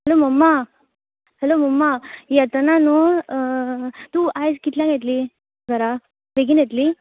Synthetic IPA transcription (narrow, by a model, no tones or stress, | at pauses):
ɦɛloməmːa | hɛloməmːajat̪ənano | t̪uːajd͡zkit̪ljãŋɡʱet̪̬li | ɡəɾa | beɡiːnjet̪liː